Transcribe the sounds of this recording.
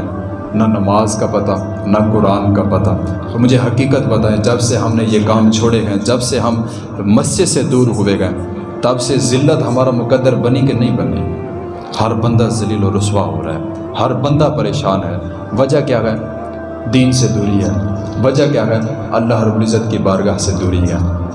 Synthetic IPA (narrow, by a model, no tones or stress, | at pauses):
nanɐmaːzkapɐt̪a | nakʊɾaːnkapɐt̪at̪omʊd͡ʒʱeɦɐkiːkət̪bɐt̪aːẽd͡ʒɐbseɦɐmnejekaːmt͡ʃʰoːɽeɦɛ̃d͡ʒɐbseɦɐm | mɐst͡ʃesed̪uːɾɦʊʋeɡɐẽ | t̪ɐbsezɪlːət̪ɦɐmaːɾamʊkəd̪ːəɾbɐnik̬enɐɦĩbɐnlḭ | hɐɾbə̃nd̪azɐliːlɔːɾʊswaɦo̰ːɾa̰ːɦɛː | hɐɾbə̃nd̪apɐɾeːʃaːnɦɛː | ʋɐd͡ʒakjaːɡɐe | d̪iːnsed̪uːɾiɦɛː | ʋɐd͡ʒakjaːɡɛ | ɐlːaːɦɾəbʊlɪzːət̪kibaːɾɡaɦsed̪uːɾiɦɛ̰ː